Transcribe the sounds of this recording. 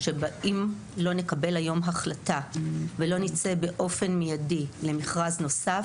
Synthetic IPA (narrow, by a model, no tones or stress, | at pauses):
ʃe̞baʔim | lo̞ne̞kabe̞lajo̞mɦaχlatavelo̞nit͡se̞be̞ʔo̞fe̞nmijadile̞miχʁazno̞sa